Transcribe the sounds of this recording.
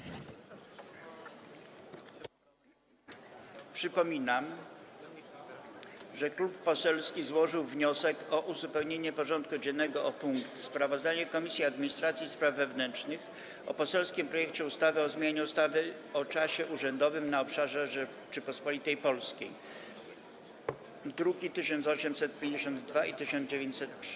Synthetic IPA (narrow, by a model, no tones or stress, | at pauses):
pʂɘpɔmʲinam | ʐɛklupːɔsɛlskʲizwɔʐɘwvɲɔsɛkɔʔuzupɛwɲeɲɛpɔʐɔnt̪̚kud͡ʑɛnːɛɡɔʔɔpuŋkt̪spɾavɔzd̪aɲɛkɔmʲisʲjiad̪mʲiɲist̪ɾat̪sʲjispɾavːɛvnɛnt͡ʂnɘx | ɔ̰pɔsɛlskʲimpɾɔjɛk̚t͡ɕɛust̪avɘɔzmʲjaɲɛust̪avɘɔt͡ʂaɕɛʔuʐɛnd̪ɔvɘmnaɔpʂaʐɛʐɛ | t͡ʂɘpɔspɔlʲit̪ɛjpɔlskʲej | d̪ɾuɡʲit̪ɘɕɔnt̪sɔɕɛmsɛt̪̚pʲjẽɲd͡ʑeɕɔnd̪d̪vait̪ɘɕɔnd͡ʑevʲjeɲt͡ɕʲsɛt̪